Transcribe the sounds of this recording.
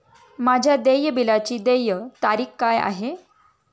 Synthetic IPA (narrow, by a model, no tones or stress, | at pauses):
mad͡ʑʱjad̪ejəbilat͡ɕiːd̪ejət̪aɾiːkkaja̰ɦe